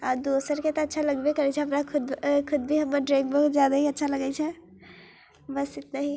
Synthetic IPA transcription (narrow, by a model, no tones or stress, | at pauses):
ad̪osəɾket̪ɔətːʃʰaləɡbekəɾɛt͡ʃʰɛɦəpɾakʰud̪kʰud̪̚bʱiɦəmːəɾɖɾẽɡ̚bəɦut̪d͡ʒjad̪aɦiətːʃʰaləɡɛt͡ʃʰɛ | bəst̪it̪naɦĩ